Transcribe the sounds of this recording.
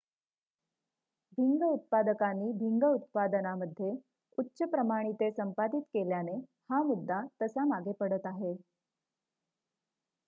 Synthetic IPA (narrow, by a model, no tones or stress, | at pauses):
bʱiŋɡəut̪̚pad̪əkanːiːbʱiŋɡəut̪̚pad̪ənaməd̪ʱːje | utːɕəpɾəmaɽ̃it̪esəmpad̪it̪keljanehamud̪ʱːat̪əsamaɡepəɽət̪aɦe